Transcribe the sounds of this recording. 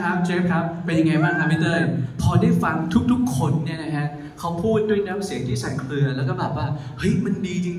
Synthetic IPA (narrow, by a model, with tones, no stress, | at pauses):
kʰa˦˥p̚t͡ɕʰe˦˥pkʰɾa˦˥p̚pe˧nja˧ŋa˧jbaː˥˩ŋk̪ʰa˧mi˦˥t̪ɤː˥˩˨pʰɔː˧daː˥˩jfa˧ŋt̪ʰu˦˥k̚t̪ʰu˦˥kʰːo˧nːi˥˩ɐna˦˥kʰa˦˥ | kʰa˦˥wpʰuː˥˩t̪̚du˥˩əjnaː˦˥msi˨˩˦ət̪ʰiː˥˩sa˨˩t̪̚kʰlɯ˧ɐlɛ˦˥wkɔː˥˩bɛː˨˩p̚waː˥˩ | hɤ˦˥jma˧ndiː˧t͡ɕi˧ŋ